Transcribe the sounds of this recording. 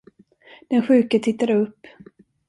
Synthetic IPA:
d̪̥ɛnɧʉ̟ːkət̪ʰɪt̪ːaɾɵpː

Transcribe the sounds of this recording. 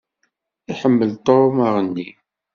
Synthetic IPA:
iħəmːəlt̪oɾməʁənːi

